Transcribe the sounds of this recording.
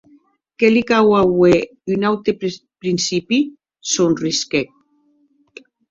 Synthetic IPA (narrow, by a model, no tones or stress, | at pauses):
kelikawawe | ynawt̪epɾinsipi | sonriskek̚